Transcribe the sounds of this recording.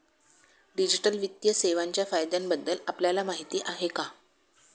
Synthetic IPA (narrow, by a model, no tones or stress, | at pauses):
ɖid͡ʑiʈəlʋit̪jəseʋaɲt͡ɕjafajd̪jambəd̪ːəlapljalamaɦit̪iːʔaɦeka